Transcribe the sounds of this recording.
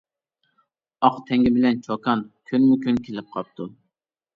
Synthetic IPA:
ɑqt̪ʰɛŋɡʲɪbɪlɛnt͡ʃʰokʰɑnkʲʰynmykʲynkʲʰelɪp̚qʰɑp̚t̪ʰu

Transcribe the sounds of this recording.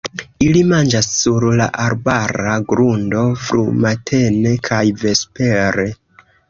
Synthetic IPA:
ilimand͡ʒasːuɾla̰ʔaɾbaɾaɡɾundo̞fɾṵmatʰe̞ne̞kʰajve̞spe̞ɾe̞

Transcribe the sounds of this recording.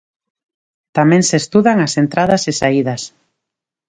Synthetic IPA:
t̪amẽŋsest̪uðaŋasent̪ɾaðasesaiðɐs

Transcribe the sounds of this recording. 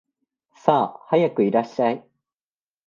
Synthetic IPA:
saːhajakɯ̟iɾaɕːai

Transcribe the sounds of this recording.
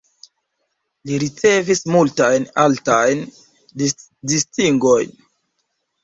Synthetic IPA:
liɾit͡se̞vismultajnaltajn | distiŋɡo̞jn

